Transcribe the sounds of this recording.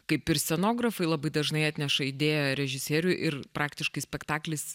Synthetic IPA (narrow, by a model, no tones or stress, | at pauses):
kɐɪpɪɾsʲɛnoːɡɾɐfɐɪlˠɐbɐɪd̪ɐʒnɐɪɑːt̪ʲnʲɛʃɐɪd̪ʲeːjɛɾʲɛʒʲɪsʲeːɾʲʊʔɪɾpɾʔɑːkt̪ʲɪʃkɐɪsʲpʲɛkt̪ɑːklʲɪs